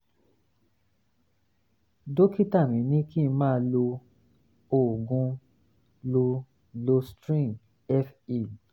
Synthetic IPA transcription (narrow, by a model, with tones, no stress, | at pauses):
do˦ki˦ta˦˨mĩ˨˦nĩ˦ki˦˧mãː˦lo˧ | o˨ɡũ˧ | lo˧ | lo˧stɾĩ˦˨ | ɛ˦fi˦˨